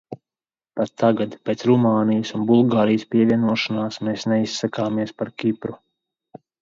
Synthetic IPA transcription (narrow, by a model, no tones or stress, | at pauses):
pat̪ːaɡad̪pʲeːt̪sɾumaːnijəsunbulˠɡaːɾijəspʲiɛvʲiɛnuɔʃanaːsmeːsnɛisːakaːmiɛspaɾkʲipɾu